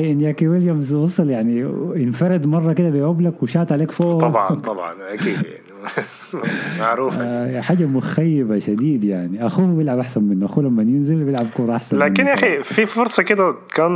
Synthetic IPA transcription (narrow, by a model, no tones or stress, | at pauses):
ʔɪnːjækiwɪljæmzwɑsˤɑljaʕniʔɪnfɑɾˤed̪mɑrˤːɑked̪æbejʕublækwɪʃaːt̪ʕaleːkfoʔh̪ˤɑbʕɑ̰t̪ˤɑbʕɑ̰nʔækiːd̪ja̰ʕni | maʕɾuːfjaħaːd͡ʒamʊxæjːɪbaʃæd̪iːd̪jaʕniʔæxuːbjɪlʕabʔaħsænmɪnːʊʔaxuːlæmːnjɪnzelbjelʕabkoːɾˤɑʔaħsænlæːmkɪnjaħififoɾsˤɑked̪æ | kæːn